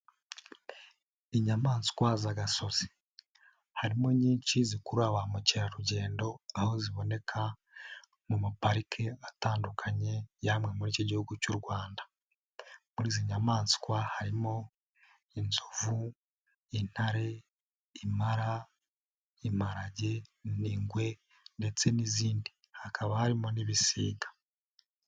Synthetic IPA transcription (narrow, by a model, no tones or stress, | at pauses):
iɲamaːnskwazaɡaso̞z̥i | haɾimo̞ɲiːnt͡ʃizikuɾaβamuceɾaɾuɟe̞ːndo̞aho̞ziβo̞ne̞kʰa | mumapaɾikʰe̞ataːndukʰaɲe̞jamŋe̞muɾiːcoɟihuɡucuɾɡwaːndḁ | muɾiːziɲamaːnsi̥kwahaɾimo̞ | inzuvu | in̥haɾe̞ | imaɾa | im̥aɾaɟe̞niːŋɡwe̞ | nde̞t͡se̞niziːndi | hakʰaβahaɾimo̞niβisiːɡḁ